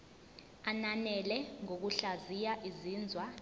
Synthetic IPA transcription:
ananɛlɛŋok̬uɬazijaʔiziːnd͡zʱwa

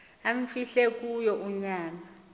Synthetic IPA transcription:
aɱfiɬek̬ujɔʔuɲaːna

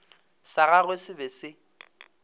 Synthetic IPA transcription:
saɣaɣwesɪbɛsɪ

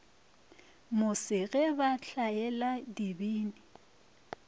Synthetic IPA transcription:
mʊsɪɣɛbaɬaɛladibiːnɪ

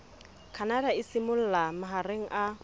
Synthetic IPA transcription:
kʰanadaɪsɪmʊl̩lamaɦareŋ̩ʔa

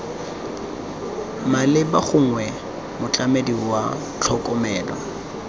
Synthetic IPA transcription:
malɪbaχʊŋ̩wɛ | mʊt͡ɬʼamediwa | t͡ɬʰɔkʼɔmɛːlwa

